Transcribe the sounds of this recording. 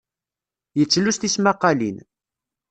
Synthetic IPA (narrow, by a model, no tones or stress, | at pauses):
jət͡sːlust̪ismaqːɑlḭn